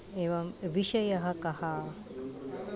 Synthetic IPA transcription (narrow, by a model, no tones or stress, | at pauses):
eʋɐmʋiʃɐjɐɦɐkɐhaː